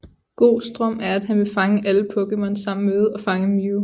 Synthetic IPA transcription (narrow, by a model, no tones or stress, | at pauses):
ɡ̥o̝̰ːsd̥ʁɶm̰æɐæd̥hænʋe̝fɑ̈ŋəʔæləpʰɔ̽ɡ̥əmɒnsɑ̈m̰n̩með̞̩ˠɒ̽fɑ̈ŋəmi